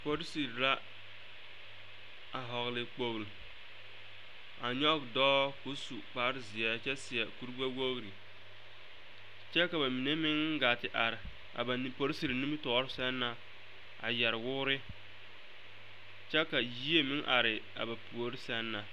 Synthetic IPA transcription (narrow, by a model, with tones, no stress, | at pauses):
po˦ɾsi˨ɾla˦ | a˨ɦɔ˨ɣlɪ˨k͡po˨ɣl | a˨ɲɔ˦bdɔː˦ko˦su˨k͡pa˨˦ɾɪ˦zɪ˨ɛ˦t͡ʃɛ˦sɪ˨ɛ˨ku˦ɾɡ͡ba˦wo˦ɣɾi˨ | t͡ʃɛ˦ka˨ba˨mi˨ne˦mɪ˦ŋ˦ɡa˨tɪ˨ʔa˨ɾɪ˨ | a̰˨ba˨˦po˨˦ɾi˦si˨ɾni˦mi˦tɔ˨˦ɾɪ˦sɛ˦nːa˨ | a̰˨jɛ˨ɾɪ˨wʊ˦ɾɪ˦ | t͡ʃɛ˦ka˨ji˦e˦mɪ˦ŋʔa˨ɾɪ˨ | a̰˨ba˨pu˨o˦ɾɪ˦sɛ˦nːa˨